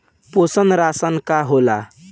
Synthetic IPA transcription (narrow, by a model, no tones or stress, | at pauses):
posənɾasənkaɦola